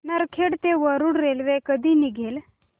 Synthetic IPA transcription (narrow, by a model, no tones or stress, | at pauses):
nəɾkʰeɽt̪eʋəɾuːɽɾelʋekəd̪ʱiːniɡʱel